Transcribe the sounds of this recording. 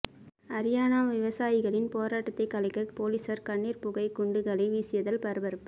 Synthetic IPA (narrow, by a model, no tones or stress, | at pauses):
ɐɾɪjaːnaːmʋɪʋɐsaːjɪɣɐɭɪnpoːɾaːʈːɐt̪ːɐɪkːɐlɐɪkːɐpoːliːsɐɾkɐɳːiːɾpʊɣɐɪkʊɳɖɯɣɐɭɐɪʋiːsɪjɐðɐlpɐɾɯbɐɾɯpː